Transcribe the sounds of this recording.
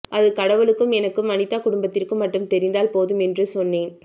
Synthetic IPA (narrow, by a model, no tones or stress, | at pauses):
ʔɐðɯkɐɽɐʋɯɭɯkːɯmɛnɐkːɯmɐnɪt̪ːaːkʊɽʊmbɐt̪ːɪrkɯmːɐʈːɯmt̪ɛɾɪnd̪aːlpoːðɯmɛndrɯsɔnːeːn